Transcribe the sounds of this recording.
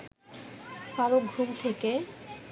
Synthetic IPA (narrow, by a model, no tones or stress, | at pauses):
faɾok̚ɡʱumt̪ʰeke